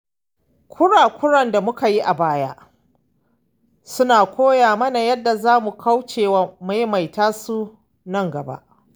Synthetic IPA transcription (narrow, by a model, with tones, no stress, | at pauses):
kʷʰʊ˦ɽaː˨kʷʊ˦ɽɐ˨nda˨mʊ˦ka˨ji˦ʔa˨baː˦jaː˦ | sʊ˦naː˨kʷoː˦jaː˨mɐ˦na˨jɐ˦dːa˨zaː˦mu˨kʰa˦wt͡ʃeː˨waː˨˦ma˦jma˨jtaː˦su˦ | nɐ˦ŋɡɐ˨ba̰˦ʔ